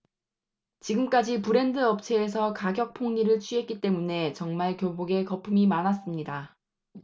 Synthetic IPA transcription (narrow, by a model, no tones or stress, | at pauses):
t͡ɕiɡɯmk͈ad͡ʑipɯɾe̞ndɯʌp̚t͡ɕʰe̞ːs̬ʰʌkaɡjʌk̚pʰoŋɲiɾɯɭt͡ɕʰɥiɦe̞t̚k͈it͈e̞mune̞t͡ɕʌŋmaɭkjoboɡe̞kʌpʰumimanas͈ɯmɲida